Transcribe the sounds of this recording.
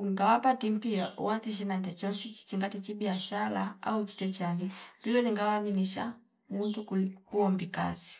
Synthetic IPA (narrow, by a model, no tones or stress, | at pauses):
uŋɡawapatim̩piaʔṵwaziʃ̬inandɛt͡ʃɔnʃit͡ʃi̥t͡ʃiŋɡatit͡ʃibiaʃalaa̰ut͡ʃi̥tɛt͡ʃanilulɔniŋɡawaminiʃa̰ | muntukukuɔmbika̰zi